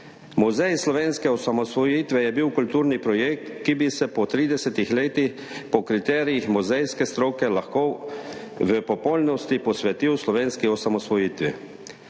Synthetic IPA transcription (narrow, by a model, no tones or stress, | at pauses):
muzɛjslɔʋeːnskɛɔsamɔsʋɔjiːt̪ʋɛjɛbiwkult̪uːɾnipɾɔjek̚t̪kibisɛpɔt̪ɾiːd̪ɛsɛt̪ixleːt̪ix | pɔkɾit̪ɛːɾijixmuzɛjskɛst̪ɾoːkɛlaxkoː | ʋəpɔpɔlnɔst̪ipɔsʋɛt̪iwslɔʋeːnskiɔsamɔsʋɔjiːt̪ʋḭ